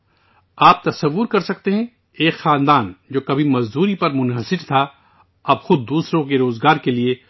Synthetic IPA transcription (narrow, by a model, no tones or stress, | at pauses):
aːp̚t̪ɐsɐʋːʊɾkɐɾsɐk̚t̪eɦɛ̃ | eːkxaːnd̪aːnd͡ʒoːkɐbʱimɐzd̪uːɾipɐɾmʊnɦəsɪɾt̪ʰa | ɐbxʊd̪̚ːuːsɾõkeɾoːzɡaːɾkelie